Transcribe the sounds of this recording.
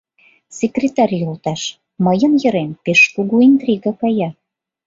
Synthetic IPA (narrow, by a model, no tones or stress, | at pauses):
sʲekrʲet̪ɑrʲjolt̪ɑʃ | məjənjə̆ɾenpeʃkuɣuint̪rʲiɡɑkɑjɑ